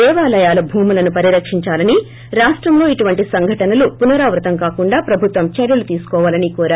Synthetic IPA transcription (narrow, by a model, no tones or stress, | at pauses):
ɛːʋaːlɐjaːlɐbʱuːmulɐnupɐɾiɾɐkʂiɲt͡ʃaːlɐni | ɾaːʂʈɾɐmlo̞ːiʈuʋɐɳʈisɐŋɡʱɐʈɐnɐlupunɐɾaːʋɾɐt̪ɐmkaːkuɳɖaːpɾɐbʱut̪ʋɐmt͡ʃɐɾjɐlut̪iːsu̥kɔːʋaːlɐnikɔːɾaː